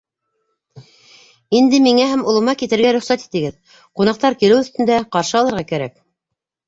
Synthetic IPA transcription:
ind̪ɘmiŋæɦæmŏlˠɤ̆mɑkit̪ɘ̆ɾɡæɾɵ̆χsæt̪i̥t̪ɘ̆ɡɘð | qunɑq̚t̪ɑɾkilɘwɵ̆θt̪ɘ̆nd̪æqɑɾʃɤɑlˠɤ̆ɾʁɑkæɾæk̚

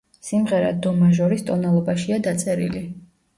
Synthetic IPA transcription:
simʁɛɾa̰d̪ɔmaʒɔɾist̪ʼɔnalˠɔbaʃiad̪at̪sʼɛɾḭli

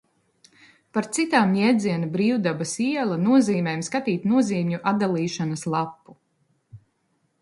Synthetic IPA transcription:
paɾt̪sit̪aːmɲɛːd̪ziɛnabɾiːwd̪abɐsiɛlˠanuɔziːmʲɛjmskat̪iːt̪nuɔziːmɲuʔad̪alˠiːʃanɐslˠapːu

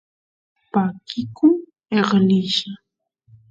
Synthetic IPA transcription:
pakʰɪkʊ | eɢlɪʃa

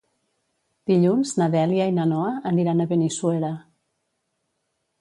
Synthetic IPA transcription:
d̪̥iʎunznaðɛljainanɔəəniɾanəβeniswɛla

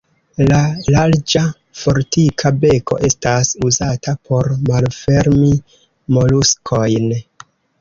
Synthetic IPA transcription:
lalaɾd͡ʒa | fo̞ɾtikʰabe̞ko̞̰ʔe̞stasuzatʰapʰo̞ɾmalfe̞ɾmi | mo̞luskʰo̞jn

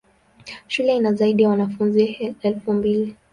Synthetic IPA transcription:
ʃulɛinazaiɗijawanafunziɛlfumbili

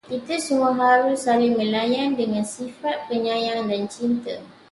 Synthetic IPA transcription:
kit̪asumuaɦaɾusalimə̃lajandəŋãnsifat̪̚pəɲãjaŋdant͡ʃint̪a

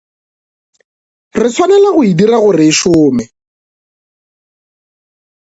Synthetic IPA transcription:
rɪt͡sʰwanɛlaɣʊidiraɣʊrɪːʃʊːmɪ

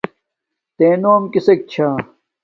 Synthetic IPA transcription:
t̪eːnoːmkisek̚t͡ɕʰaː

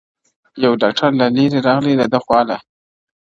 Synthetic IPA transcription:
jawɖɑk̚ʈʰaɾlaleɾeɾɑɣlid̪ad̪əxwɑla

